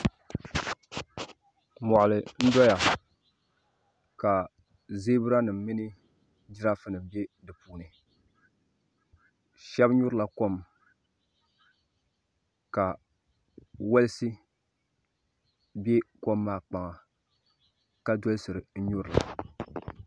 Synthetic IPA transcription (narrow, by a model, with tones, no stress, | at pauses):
mɔ˨ʔʊ˨lɨ˨n̩˦dɔ˦ja˨ | ka˨ | zeː˦bɨ˦ɾa˦nɨ˨m̩˦mi˦nɨ˦ | d͡ʒɪ˦ɾa˦fɨ˨nɨ˨m˦be˦dɨ˨pu˨nɨ˨ | ʃɛ˦bɲʊ˦ɾɨ˦la˨ko˦m | ka˨ | wɛ˦lɨ˦sɨ˦ | be˦ko˦mːaː˦k͡pa˨ŋa˨ | ka˦dɔ˦lsɨ˨ɾɨ˨n̩˦ɲʊ˦ɾɨ˨la̰˨